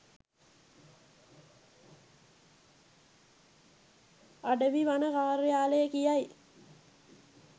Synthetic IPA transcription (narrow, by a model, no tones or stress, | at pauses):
aɖəʋiʋanəkaːɾəjaːləjəkijaj